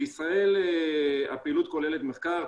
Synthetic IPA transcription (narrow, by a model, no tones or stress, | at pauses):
isʁae̞l | a̰peilut̪̚ko̞lele̞t̪meχkaʁ